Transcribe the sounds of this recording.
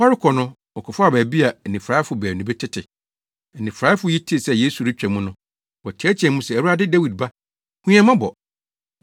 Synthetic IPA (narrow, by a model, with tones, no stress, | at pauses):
wa˦ɾɪ˦kʰɔ˨nʊ̃˦ | ɔ˨kʰɔ˨fʊ˦a˨bæː˨bi˦a˨nĩ˨fɾa˦ɪ˦fʊ˨bæ˨nũ˨bɪ˦tʰɪ˦tʰɪ˨ | nɪ̃˨fɾa˨˦ɪ˦fʊ˨ji˦tʰi˦e˨sɛ˦˨je˦su˨ɾi˦t͡ɕᶣɛ̃˨mũ˦nʊ̃˦ | wɔ˨tʰɛ˦t͡ɕʰɛ̃˨mũ˦sɛ˨æ˨wu˦a˦dɪ˦da˦wi˨d̚ba˦ | hũ˦ɛ̃˦mã˦bɔ̰˨